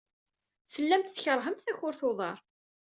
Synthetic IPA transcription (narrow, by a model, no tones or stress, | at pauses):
θəlːæmt̪θçəɾˤɦəmt̪θæçʊɾθoðˤɑɾˤ